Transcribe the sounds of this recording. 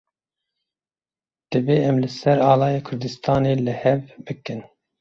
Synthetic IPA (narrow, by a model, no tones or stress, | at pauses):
d̪̥ɨbeːɛmlɨsɛɾɑːlɑːjeːkʰʊɾd̪ɨst̪ʰɑːneːlɨhɛvbɨkɨn